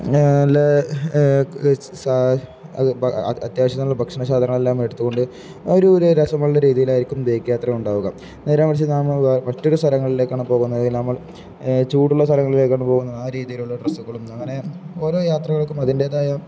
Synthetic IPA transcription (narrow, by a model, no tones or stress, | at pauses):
ɐlːɐ | sa | ɐɐ̰t̪jaːʋɐɕɐt̪ːnuɭːɐbʱɐkʂinɐɕaːd̪ʱɐɾɐːɐɭe̞lːaːmeɽut̪ːuɣo̞ɳɖɨ | oɾuɾɾɐsɐmːɐɭːɐɾiːðijilaːjiɾikʲːumd̪eːkːɐjaːt̪rɐuɳɖaːʋuɣɐm | neːɾaːmɐt͡ɕːinaːmmɐtːoɾust̪ʰɐlɐŋːɐɭile̞kʲːaːɳɨmpo̞ːɣunːɐðlnɐmːɐɭ | t͡ɕuːɽuɭːɐst̪ʰɐlɐŋːɐɭile̞ːkʲːaːɳɐmpoːɣunːɐðaːɾiːðijiluɭːɐɖrɐsuɣɐɭumɐŋːɐne̞o̞ːɾo̞ːjaːt̪rɐɣɐɭkːumɐðinde̞ːðaːjɐ